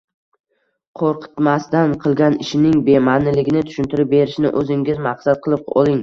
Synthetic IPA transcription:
qʰoɾqʰɨ̥t̪mast̪anqʰɨlˠɡʲanɪʃɪnɪŋbe̞manːɪlɪɡʲɪnɪt̪ʰʊ̥ʃʊnt̪ʰɪɾɪp̚be̞ɾɪʃnɪ̰ʔɵzɪŋɡʲɪzmaqsat̪̚qʰɨlˠɪp̚ɒ̰lˠɪŋ

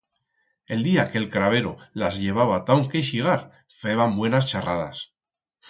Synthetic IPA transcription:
e̞ld̪iake̞lkɾaβe̞ɾolazʎe̞β̞aβat̪awŋkeʃiɣ̞aɾ | feβambwe̞nast͡ʃaraða̰s

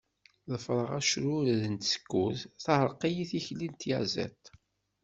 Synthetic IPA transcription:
ðəfɾˤəʁæʃɾʊɾðənt̪sə̥kːuθθahəɾˤqijiθiçlint̪jæzæ̰t̪

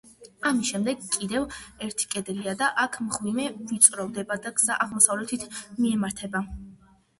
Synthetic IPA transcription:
amisʃɛmd̪ɛɡkʼːid̪ɛvɛɾt̪ʰi̥kʼɛd̪ɛliad̪aʔakʰmʁwimɛvit̪sʼɾɔvˠd̪ɛbad̪aɡz̥aʔaʁmɔsavlɛt̪ʰit̪ʰmiɛmaɾt̪ʰɛba

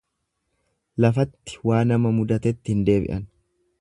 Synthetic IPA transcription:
lɐfɐt̪ːɪ̥waːnɐmɐmʊd̪ɐt̪ɛt̪ːɪɪnd̪e̞ːbɪ̰ʔɐn

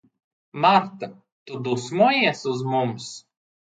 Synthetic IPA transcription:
maɾt̪ɐ | t̪ʊd̪ɔsmojɛsʊzmʊms

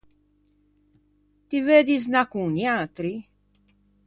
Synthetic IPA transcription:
t̪iveːd̪iznakuniaːt̪ɾi

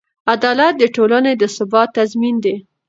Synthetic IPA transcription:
ad̪ɑlat̪̚d̪əʈolaned̪əsɪbɑt̪ːazmind̪e

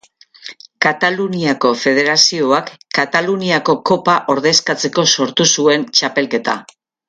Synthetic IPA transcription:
kat̪aluniako̞fe̞ð̞e̞ɾasio̞akːat̪aluniako̞ko̞paʔo̞ɾðe̞skat͡se̞ko̞so̞ɾt̪usue̞nt͡ʃape̞lke̞t̪a̰

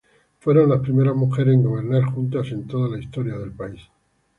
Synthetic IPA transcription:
fwe̞ɾo̞nlaspɾime̞ɾazmuxe̞ɾŋɡo̞β̞e̞ɾnaɾxunt̪ase̞nt̪o̞ðalaist̪o̞ɾjaðe̞lpais

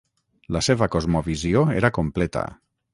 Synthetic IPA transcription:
laseβakozmoβizioeɾakomplet̪a̰

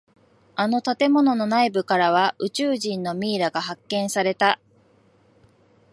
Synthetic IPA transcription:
ano̞t̪at̪e̞mo̞no̞no̞naibɯ̟kaɾaβ̞aʔɯ̟t͡ɕɨːʑĩnːo̞mʲiːɾaɡaɦakːẽ̞ɰ̃saɾe̞t̪a

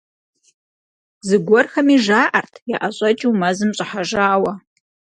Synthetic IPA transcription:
zɨɡʷɔrxɐmiʒaːʔɐrtʰjaʔaɕʼɐt͡ʃʼɪwmɐzɨmɕʷʼɪħaʒaːwɐ

